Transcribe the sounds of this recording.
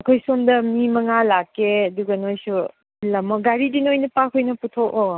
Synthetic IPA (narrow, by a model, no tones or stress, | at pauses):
ɐkʰojsomdɐmimɐŋalakːeɐduɡɐnojsu | lɐmɐɡaɾidinojnɐpakʰojnɐputʰoko